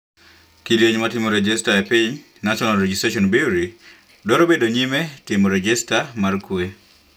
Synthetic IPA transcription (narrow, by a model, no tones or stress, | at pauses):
kiɾjeɲmatɪmoɾɛd͡ʒɛstaɛpiɲ | naʃɔnalɾɛd͡ʒistɾaʃɔnbiwɾi | dɔɾobedoɲimɛtɪmoɾɛd͡ʒɛstamarkwe